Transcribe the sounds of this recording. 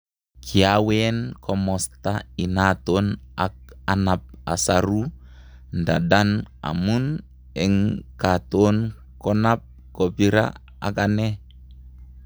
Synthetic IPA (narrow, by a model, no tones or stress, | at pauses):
kʰiawɛnkʰɔmɔst̪ainat̪onak̚anap̚a̰saɾu | ndadana̰mun | ɛŋkat̪on | kɔnap̚ | kɔbiɾa̰ | a̰kanɛ